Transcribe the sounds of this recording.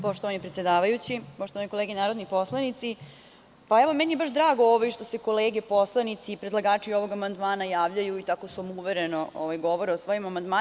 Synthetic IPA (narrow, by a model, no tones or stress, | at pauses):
po̞ʃt̪oʋanipɾet̪jed̪aːʋajut͡ɕipoʃt̪oʋaniko̞leːɡenaːɾod̪nipo̞slˠanit̪si | paeʋomenijebaʃd̪ɾaːɡooʋojʃt̪o̞se̞ko̞leːɡepo̞slˠanit̪siːpɾed̪lˠaɡaːt͡ʃio̞ʋo̞ɡamand̪maːnajaːʋʎajuit̪akosuomuʋeɾeno̞ʔo̰ʋajɡo̞ʋoɾeosʋoːjimamand̪ma